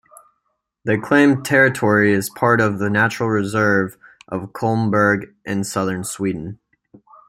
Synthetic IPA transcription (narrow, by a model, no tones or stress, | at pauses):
ðeɪkʰl̥ẽɪ̃mtʰɛɹɨtʰɔɹiɨz̥pʰɑɹɾʌvðɨnæt͡ʃɹ̥l̩ˠɹɨzɜ˞vʔʌv̥kʰolˠmbə˞ɡʔɨ̃nsʌðə̃˞nswidⁿn̩